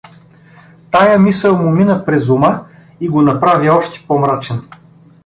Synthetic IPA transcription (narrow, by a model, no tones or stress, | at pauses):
t̪ajəmisəlˠmʊminəpɾɛzuma | iɡonɐpɾaviɔʃt̪ɛ̥pɔmɾat͡ʃɛn